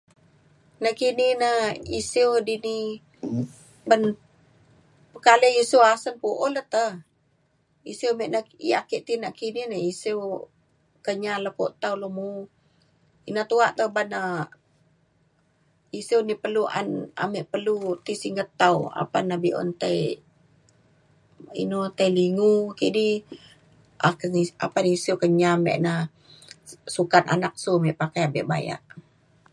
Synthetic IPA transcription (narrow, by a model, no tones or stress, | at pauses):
nəkininəḭsiwdini | ban | pəkaləjisuasənpuʔolət̪ə | isiwmeʔnəḭa̰kiʔt̪inaʔkininəisiw | kəɲaləpoʔt̪awləmu | inaht̪uaʔt̪əbanə | isewnipəluʔa̰na̰meʔpəlut̪isiŋɡət̪awa̰panːabiʔɔ̰nt̪aj | ḭnot̪ajliŋukiʔdi | aknia̰panisiwkəɲamḛʔna | sukana̰nak̚sumɛʔpakajabɛ̰ʔba̰ja̰ʔ